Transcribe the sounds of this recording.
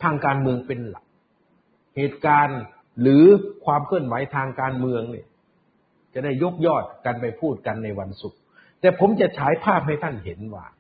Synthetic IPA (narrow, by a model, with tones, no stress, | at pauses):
t̪ʰaː˧ŋkaː˧nmɯ˧əŋpe˧nla̰˨˩k̚ | heː˨˩t̪̚kaː˧n | ɾɯː˨˦kʰwaː˧mkʰɯ˥˩ənwa˨˩˦jt̪ʰaː˧ŋkaː˧nmɯ˧əŋnḭ˧˩ | t͡ɕa˨˩da˥˩jːo˦˥˩k̚jɔː˥˩t̪̚ka˧npa˧jpʰuː˥˩t̪̚ka˧nːa˧jwa˧nsu˨˩k̚ | t̪ɛː˨˩pʰo˨˦mt͡ɕa˨˩t͡ɕʰaː˩˦jpʰaː˥˩p̚ha˥˩jt̪ʰa˥˩nhe˩˦nwa̰ː˧˩